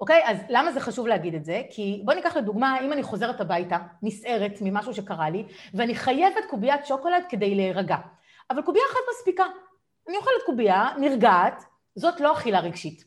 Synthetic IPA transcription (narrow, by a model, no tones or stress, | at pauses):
oke̞jazlamazeχaʃuvleaɡidetze̞kʰibo̞nikaχleduɡmaimaniχo̞ze̞etabajtamisʔe̞ʁetmimaʃuʃekaʁaliveaniχaje̞vet̚kubiatʃo̞ko̞lad̚kede̞jleʁaɡa | avalkubiaχatmaspika | anijoχalet̚kubianiʁɡaːt | zo̞tlo̞aχilaʁeɡʃit